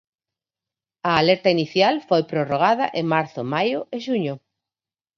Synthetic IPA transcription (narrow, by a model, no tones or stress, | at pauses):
ɐːlɛɾt̪ɐiniθjalfojpɾoroɣ̞aðɐʔemaɾθʊmajʊʔeʃuɲʊ